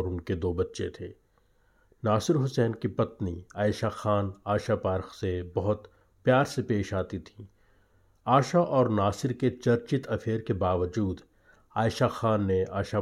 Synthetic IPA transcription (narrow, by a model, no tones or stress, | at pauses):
ɾʊnked̪oːbɐtːʃḛt̪ʰeː | naːsɪɾɦʊsɛːnkipɐt̪niaːɪʃaxaːnaːʃapaːɾxsebɐɦʊt̪ | pjaːɾsepeːʃaːt̪it̪ʰi̥ː | aːʃaʔɔːɾnaːsɪɾket͡ʃɐɾt͡ʃɪt̪ʰɐfʰeːɾkebaːʋəd͡ʒuːd̪ | aːɪʃaxaːnːeaːʃa